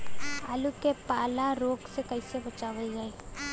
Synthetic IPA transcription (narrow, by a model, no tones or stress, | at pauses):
aːlukepaːlaɾoːɡsekɐɪsebɐt͡ʃaːʋəld͡ʒaeː